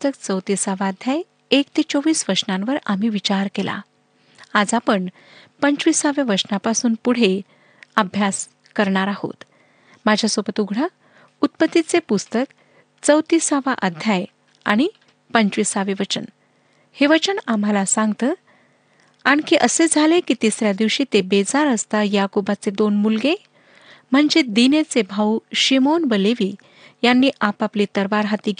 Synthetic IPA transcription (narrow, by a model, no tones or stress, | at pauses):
st̪ək̚t͡səwt̪isaʋaːd̪ʱjaj | ekt̪et͡soʋiːsʋəɾɕnãnʋəɾam̤iʋit͡ɕaɾkela̰ | ad͡zapəɳ | pəɲt͡ɕʋisaʋeʋəsnapasuːnpuɽ̤e | əbʱjas | kəɾɳaɾaho̰t̪ | mad͡ʑʱjasobət̪uɡʱɽə | ut̪̚pət̪ːit͡sepust̪ək | t͡səwt̪isaʋaʔəd̪ʱjaj | a̰ɽ̃i | pəɲt͡ɕʋisaʋeʋət͡ɕən | heʋət͡ɕənamalasãŋɡt̪ə | añkiʔəsed͡zʱalekit̪isɾjad̪iʋɕiːt̪ebed͡zaɾəst̪ajakobat͡sed̪onmulɡe | m̤əɳd͡zed̪inet͡sebʱauɕimonbəleʋiː | janːiːʔapapliːt̪əɾʋaɾɦat̪iːɡ